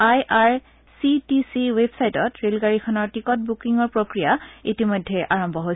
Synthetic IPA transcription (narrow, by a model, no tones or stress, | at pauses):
ajʔaɹ | sitisiwebsajtɔtɹelɡaɹikʰɔnɔɹtikɔt̚bukiŋɔɹpɹokɹijaitimojdʱːɛʔaɹɔmbʱɔɦoj